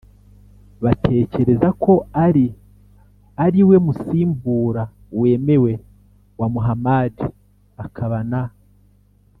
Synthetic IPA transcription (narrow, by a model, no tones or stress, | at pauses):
βatʰe̞ːce̞ɾe̞zakʰo̞aɾi | aɾiwe̞musiːmbuːɾa | we̞ːme̞we̞ | wamuɦamadi | akʰaβana